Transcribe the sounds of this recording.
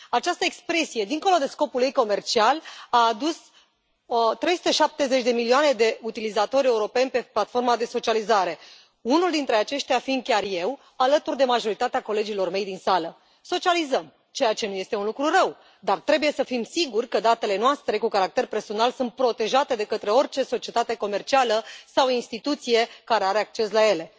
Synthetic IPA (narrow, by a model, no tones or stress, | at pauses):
at͡ʃast̪əekspɾe̞sije̞d̪iŋko̞lo̞d̪e̞sko̞puljejko̞me̞rt͡ʃialaːd̪us | t̪ɾe̞jsu̥t̪e̞ʃap̚t̪e̞ze̞t͡ʃd̪e̞milioane̞d̪e̞ut̪ilizat̪o̞ɾʲe̞uɾo̞pe̞nʲpe̞plat̪fo̞rmad̪e̞so̞t͡ʃializaɾe̞ | unuld̪int̪ɾe̞at͡ʃe̞ʃt̪ʲeafind̪̚kʲarje̞w | alət̪urd̪e̞maʒo̞ɾit̪at̪eako̞le̞d͡ʒilo̞rme̞jd̪insalə | so̞t͡ʃializəm | t͡ʃe̞jat͡ʃe̞nuje̞st̪e̞unlukɾurəw | d̪art̪ɾe̞buje̞səfimsiɡurʲkəd̪at̪e̞le̞noast̪ɾe̞kukaɾak̚t̪e̞rpe̞rso̞nalsunt̪̚pɾo̞t̪e̞ʒat̪e̞d̪e̞kət̪ɾe̞o̞rʲt͡ʃe̞so̞t͡ʃie̞t̪at̪e̞ko̞me̞rt͡ʃialəsawinst̪it̪ut̪sije̞kaɾe̞aɾe̞ak̚t͡ʃe̞slaje̞le̞